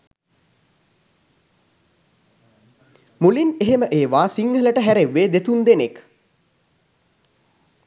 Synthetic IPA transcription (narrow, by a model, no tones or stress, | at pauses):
mulineɦeməʔeːʋaːsiŋɡələʈəɦæɾeʋːeːd̪et̪und̪enek